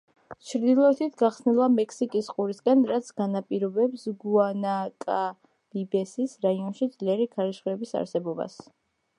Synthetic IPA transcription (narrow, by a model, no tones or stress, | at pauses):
t͡ʃʰɾd̪ilˠɔɛt̪ʰit̪ʰɡaχsnilˠamɛkʰsikʼisqʼuɾisɡanɾat̪sʰɡ̥anapʼiɾɔbɛpsɡuanakʼa | libɛsisɾaiɔnʃid̪zliɛɾikʰaɾisχuɛbisa̰ɾsɛbɔba̰s